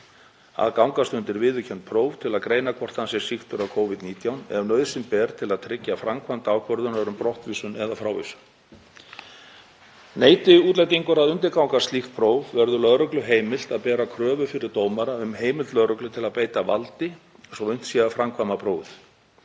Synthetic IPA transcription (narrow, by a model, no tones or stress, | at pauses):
a̰ðkawŋkast̪ʏnt̪ɪɾvɪðʏcʰɛn̥t̪̚pʰɾoːwv̥t̪ʰɪlaðkɾeːjnakʰvɔr̥t̪ansɛ̥sixt̪ʏɾawkʰoːwvɪðt̪niːt̪jawnɛ̰vnœːɥð̥sɪmpɛːɾt̪ʰɪlaðt̪ʰɾɪcːafɾamkʰvant̪awkʰvɔɾðʏnaɾʏmpɾɔht̪viːsʏnɛðafɾaːwvḭsʏ̥n | neːjt̪ɪuːt̪lajt̪iŋkʏɾaðʏnt̪ɪɾkawŋkast̪lixpʰɾoːwvvɛɾðʏlœɾœklʏɦeːjmɪl̥t̪aðpɛːɾakʰɾœːvʏfɪɾɪɾ̥t̪oːwmaɾaʏmheːjmɪlt̪lœɾœklʏt̪ʰɪlaðpeːjt̪avalt̪ɪ | sɔʏn̥t̪sɛafɾamkʰvamapʰɾoːwθ